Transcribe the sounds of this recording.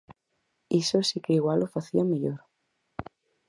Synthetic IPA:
isʊsikeiɣwalʊfaθiameʎoɾ

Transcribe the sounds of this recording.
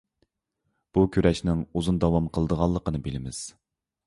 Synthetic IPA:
b̥ukʲʰøɾɛʃnɪŋuzund̪ɑwɑmqʰəlˠəd̪əʁɑlˠːəqənɨbelɪmɪz̥

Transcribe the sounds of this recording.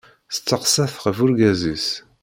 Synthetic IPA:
st͡sːəqsæθʁəvulɡæzis

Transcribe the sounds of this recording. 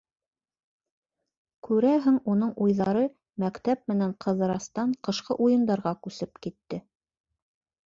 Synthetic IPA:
kʉɾæɦɘŋunɤɴʔujðɑɾɤ | mækt̪æp̚mɘ̆næɴqʰɤ̆ðɤ̆ɾɑst̪ɑɴqɤ̆ʃqɤʔujɤ̆nd̪ɑɾʁɑkʉsɘpkit̪ːɘ

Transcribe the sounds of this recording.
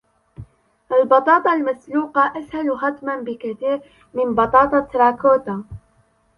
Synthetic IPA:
ʔalbɑt̪ˤɑːt̪ˤɑlmasluːqaʔashalɦɑt̪ˤmanbɪkaθiːɾ | mɪnbɑt̪ˤɑːt̪ˤɑt̪ɾˤɑːkoːt̪a

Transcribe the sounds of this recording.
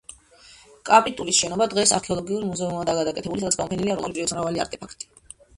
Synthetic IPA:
kʼapʼit̪ʼulisʃɛnɔbad̪ʁɛsa̰ɾkʰɛɔlˠɔɡiuɾmuzɛumad̪aɡad̪akʼɛt̪ʰɛbulisad̪at̪sɡamɔpʰɛniliaɾɔmɛliɾiɛsmɾavalia̰ɾt̪ʼɛpʰakʰt̪ʼi̥

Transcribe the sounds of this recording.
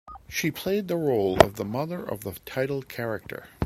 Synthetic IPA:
ʃipʰl̥eɪd̪̚ðəɹoʊlˠʌ̰vðəmʌðə˞ʔʌ̰vðətʰaɪɾl̩ˠkʰɛɹɨk̚tʰə̰˞

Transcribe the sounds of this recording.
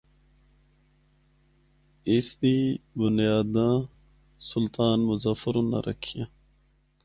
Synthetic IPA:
ɪsd̪iːbʊnjaːd̪ãː | sʊlt̪aːnmʊzəfəɾũːna̰ɾʔə̰kʰijãː

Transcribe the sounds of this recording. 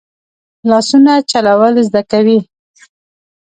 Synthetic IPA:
lɑsunat͡ʃalawəlzd̪akawi

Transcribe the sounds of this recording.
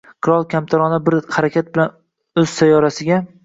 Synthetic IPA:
qʰɨɾɒlˠkʲʰamt̪ʰaɾɒnabɪɾhaɾakʲʰat̪̚bɪlan | ɵz̥sajɒɾasɪɡʲa

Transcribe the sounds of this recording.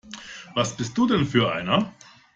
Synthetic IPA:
vasb̥ɪst̚d̥uːdɛnfyːɐʔa̰ɪnɐ

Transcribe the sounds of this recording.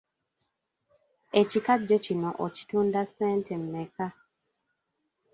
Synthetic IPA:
ecikaɟːocinoʔoci̥tuːndaseːntemːeka

